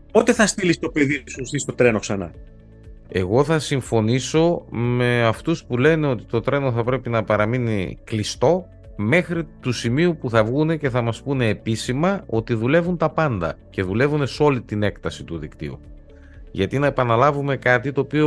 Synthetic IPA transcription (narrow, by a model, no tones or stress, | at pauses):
pot̪eθɐst̪ilist̪o̞peðisusθist̪o̞t̪ɾe̞noksɐnɐ̰ | e̞ɣo̞θɐsiɱfo̞niso̞me̞ɐft̪uspule̞ne̞o̞t̪i̥t̪o̞t̪ɾe̞no̞θɐpɾe̞pinɐpɐɾɐminḭklist̪o̞ | me̞xɾit̪usimiupuθɐvɣune̞ce̞θɐmɐspune̞ːpisimɐo̞t̪iðule̞vunt̪ɐpɐnd̪ɐ̰ce̞ðule̞vune̞so̞lit̪ine̞kt̪ɐsit̪uðḭkt̪ḭṵ | ʝɐt̪inɐepɐnɐlɐvume̞kɐt̪it̪o̞ːpio